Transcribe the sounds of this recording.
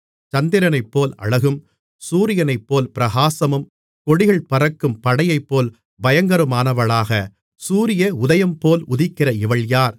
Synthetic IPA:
t͡ʃɐnd̪ɪɾɐnɐɪpːoːlɐ̰ɻɐɣɯm | suːɾɪjɐnɐɪpːoːlpɪɾɐɣaːsɐmɯm | kɔɽɪɣɐɭpɐrɐkːɯmpɐɽɐjɐɪpːoːl | bɐjɐŋɡɐɾɯmaːnɐʋɐɭaːɣɐ | suːɾɪjɐʊðɐjɐmpoːlʊðɪkːɪrɐɪʋɐɭjaːɾ

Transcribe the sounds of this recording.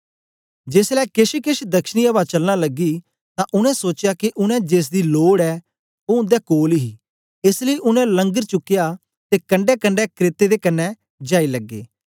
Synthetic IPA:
d͡ʒeːslɛːkɪʃikɪʃd̪ɐkʃniːəbat͡ʃɐlnaːləɡiː | t̪ãʔʊnɛ̃soːt͡ʃjakiʔʊnɛ̃d͡ʒeːs̬d̪iːloːɽɛː | oʊ̃d̪ɛːkoːlɦiː | ɪsləiʔʊnɛ̃lə̃ŋɡəɾt͡ʃʊkːɪjaː | t̪eːkə̃ɳɖɛːkəɳɖɛːkɾeːt̪ed̪eːkɐnːɛː | d͡ʒaːiləɡːḛː

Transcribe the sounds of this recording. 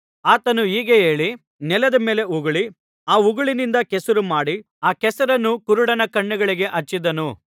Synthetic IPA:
aːt̪ɐnuiːɡeeːɭi | nɛlɐd̪ɐme̞ːle̞uɡuɭi | aːuɡɐɭinind̪ɐkɛsɐɾumaːɽi | aːkɛsɐɾɐnːukuɾuɽɐnɐkɐɳːuɡɐɭiɡe̞ʔɐt͡ʃːid̪ɐnu

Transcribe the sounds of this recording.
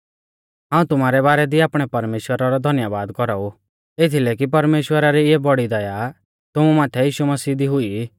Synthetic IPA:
ɦãːũt̪ʊm̤aːɾɛbaːɾɛd̪iaːpɽ̃ɛpɐɾmeːʃwəɾaɾɔd̪ʱɐnjəʋaːd̪kɔɾau | et̪ʰilɛk̬ip̬ɐɾmeːʃwəɾaɾiebɔɽid̪ɐja | t̪ʊmumaːt̪ʰɛjiːʃumɐsiːd̪iɦʊi

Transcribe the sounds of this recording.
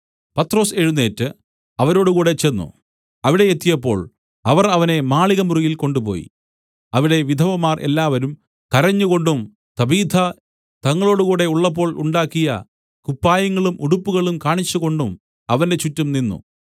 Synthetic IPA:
pɐt̪ːro̞ːse̞ɻunːe̞ːtːɨ | ɐʋɐɾo̞ːɽukuːɽe̞t͡ɕe̞nːṵ | ɐʋiɽe̞et̪ːijɐpːo̞̰ːɭ | ɐʋɐrɐʋɐne̞maːɭiɣɐmurujilko̞ɳɖupo̞̰ːjḭ | ɐʋiɽe̞ʋid̪ʱɐʋɐmaːrʔe̞̰lːaːʋɐɾum | kɐɾɐɲːuɣo̞ɳɖum | t̪ɐbiːd̪ʱɐ | t̪ɐŋːɐɭo̞ːɽukuːɽe̞uɭːɐp̬ːo̞ːɭuɳɖaːkːijɐ̰ | kupːaːjɐŋːɐɭumʔuɽupːuɣɐɭumkaːɳit͡ɕːuɣo̞ɳɖum | ɐʋɐnde̞t͡ɕutːɐmninːṵ

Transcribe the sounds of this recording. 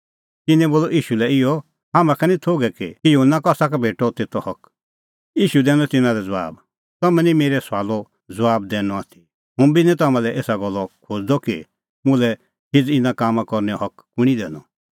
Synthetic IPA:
t̪ɪnɛ̃boːlɔiːʃulɛɪjɔ | ɦaːmãkʰɛnĩt̪ʰoːɡɛkikijuɦənːakɔsakabʱeːʈɔt̪eːt̪ɔhɔk | jiːʃud̪ɛːnɔt̪ɪnãɾɛd͡zɔʋa̰ːb | t̪ɔmɛ̃nĩmeːɾɛsaːlɔ | d͡zʋaːb̚d̪ɛːnɔ̃at̪ʰi | ɦʊ̃binĩt̪̬ɐmãlɛʔeːsaɡɔlːɔkʰod͡zd̪ɔkḭ | mʊ̃lɛ | ɦɪd͡zɪ̃nãkaːmãkɔɾnɛɔɦɔkː | ʊɽ̃id̪ɛːnɔ

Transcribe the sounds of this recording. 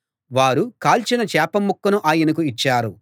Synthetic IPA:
ʋaːɾukaːlt͡ʃinɐt͡ʃɛːpɐmːukːɐnuʔaːjɐnɐk̬uit͡ʃːaːɾu

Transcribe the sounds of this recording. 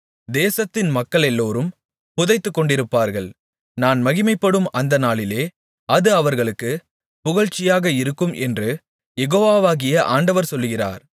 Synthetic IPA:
d̪eːsɐt̪ːɪnmɐkːɐɭɛlːoːɾɯm | pʊðɐɪt̪ːɯkːɔɳɖɪɾɯpːaːɾɣɐɭ | naːnmɐɣɪmɐɪpːɐɽɯmɐnd̪ɐnaːɭɪleː | ɐðɯɐʋɐɾɣɐɭɯkːɯ | pʊɣɐɻt͡ʃːɪjaːɣɐɪɾɯkːɯmʔɛ̰ndrɯ | jɛɣoːʋaːʋaːɣɪjɐʔa̰ːɳɖɐʋɐɾsɔlːɯɣɪra̰ːɾ

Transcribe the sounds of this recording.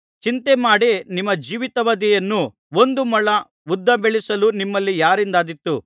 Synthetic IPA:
t͡ʃint̪emaːɽenimːɐd͡ʒiːʋit̪ɐʋɐd̪ɛjɐnːu | o̞nd̪umɐɭɐ | ʋud̪ːɐbeɭisɐlunimːɐlːijaːɾind̪aːd̪it̪ːu

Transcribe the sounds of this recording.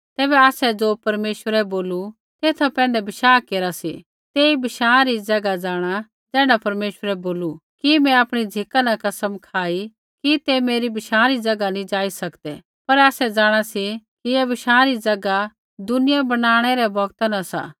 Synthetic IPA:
t̪ɛːbɛaːsɛd͡zoːpɐɾmeːʃwəɾɛboːlu | t̪eːt̪ʰapɛ̃ːnd̪ɛbɪʃaːkeːɾasḭ | t̪eːibɪʃãːɾid͡zɐɡad͡zaːɽ̃a | d͡zɛ̃ːɽapɐɾmeːʃwəɾɛboːlukimɛ̃aːpɽ̃id͡zʱɪkanɐkɐsəmkʰaːi | kit̪emeːɾibɪʃãːɾid͡zɐɡanĩd͡ʒaːisɐkd̪ɛ | pɐɾaːsɛd͡zaːɽ̃asikijɛbɪʃãːɾid͡zɐɡa | d̪ʊnɪjabɐɽ̃aːɽ̃ɛɾɛbɔɡt̪anɐsa̰ː

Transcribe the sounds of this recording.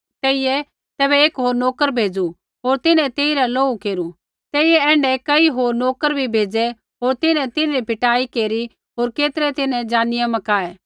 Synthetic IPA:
t̪eːijɛ | t̪ɛːbɛeːkɦoːɾnoːkəɾbʱeːd͡zu | ɦoːɾt̪ɪnɛ̃t̪eːiɾaloːukeːɾu | t̪eːɪjɛɛ̃ːɳɖɛkɐiɦoːɾnoːkəɾbʱibʱeːd͡zɛ | ɦoːɾt̪ɪnɛ̃t̪ɪnɛɾipɪʈaːikeːɾi | ɦoːɾkeːt̪əɾɛt̪ɪnɛ̃d͡ʒãːnɪjamɐkaːɛː

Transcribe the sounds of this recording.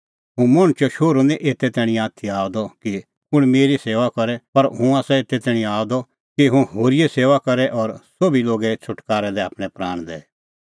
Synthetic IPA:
ɦũmoɽ̃t͡ʃɔʃoːɾuniʔeːt̪ɛt̪ɛːɽ̃ĩaːt̪ʰiaːd̪ɔki | ʊɽ̃meːɾiseːʋakɐɾɛpɐɾɦũaːsɛeːt̪ɛt̪ɛːɽ̃ĩaːd̪ɔ | kiɦũɦoːɾijɛseːʋakɐɾɛʔɔːɾsoːbiloːɡɛt͡ʃʰʊʈkaːɾɛd̪ɛaːpɽ̃ɛpɾaːɽ̃d̪ɛ̰ː

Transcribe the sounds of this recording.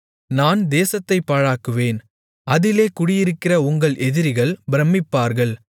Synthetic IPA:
naːnd̪eːsɐt̪ːɐɪpːɐɻaːkɯʋeːn | ɐðɪleːkʊɽɪjɪɾɯkːɪrɐʊŋɡɐɭʔɛðɪɾɪɣɐɭbɪɾɐmːɪpːaːɾɣɐɭ

